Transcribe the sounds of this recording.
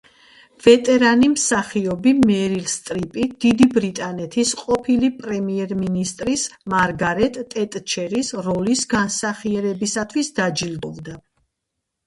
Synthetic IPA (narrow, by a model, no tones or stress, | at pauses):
v̥ɛt̪ʼɛɾanimsaχiɔbimɛɾilst̪ʼɾipʼid̪̥id̪ibɾit̪ʼanɛt̪ʰisqʼɔpʰilipʼɾɛmiɛɾminist̪ʼɾismaɾɡaɾɛt̪ʼɛt̪ʼt͡ʃʰɛɾisɾɔlisɡansaχiɛɾɛbisat̪ʰwisd̪ad͡ʒilbɔvd̪a